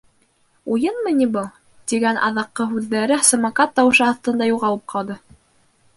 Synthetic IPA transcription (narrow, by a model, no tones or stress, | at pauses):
ujɤnmɤnʲibɤlˠ | t̪iɡænʔɑ̰ðɑqːɤɦʉðːæɾɘsɤ̆mɑkɑt̪ːɑwɤ̆ʃɤɑθt̪ɤ̆nd̪ɑjuʁɑlˠɤp̚qʰɑlˠd̪ɤ